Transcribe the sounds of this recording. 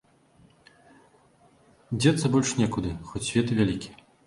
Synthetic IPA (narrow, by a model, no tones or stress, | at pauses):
d͡zʲɛt̪sːɐbɔlʲʂnʲɛkud̪ɨxɔt͡sʲːvʲɛt̪ɨvʲalʲikʲi